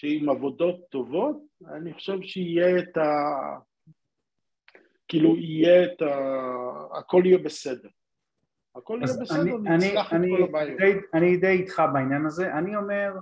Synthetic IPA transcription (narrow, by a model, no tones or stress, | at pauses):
ʃeimavo̞d̪o̞t̪ːo̞vo̞t̪̚a̰niχo̥ʃevʃeijeːt̪a | kiːluijeet̪a | a̰ko̞lijebesed̪eʁ | akolijebesanienanilaχanioabajdejanid̪ejit̪χabainjanaze̞ʔanio̞me̞ʁ